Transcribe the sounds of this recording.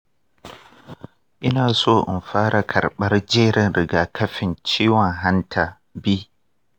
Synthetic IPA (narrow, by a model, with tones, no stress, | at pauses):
ʔɪ˦naː˨soː˦ʔɪ̰˨mɸaː˦ɽa˨kʰɐ˨rɓɐ˦rd͡ʒeː˦ɽɪ˨nɾɪ˨ɡaː˨kʰɐ˦ɸɪ˨nt͡ʃiː˦wɔ˨ŋɦa˦ntʰa˨ | biː˦